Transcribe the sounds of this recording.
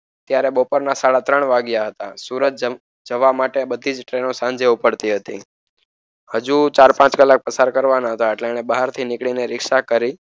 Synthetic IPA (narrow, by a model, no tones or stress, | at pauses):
t̪jaɾebopəɾnasaɭat̪ɾəɳ̃ʋaɡjaɦət̪a̰suɾət̪̚d͡ʒ | d͡ʒəʋamaʈebəd̪ʱid͡ʒʈɾenõsãɲd͡ʒeupəɽt̪iɦət̪i | həd͡ʒut͡ʃaɾpãt͡ʃkəlːak̚pəsaɾkəɾʋanaɦət̪aeʈlenebaɦaɾt̪ʰinɪkɭineɾɪkʃakəɾi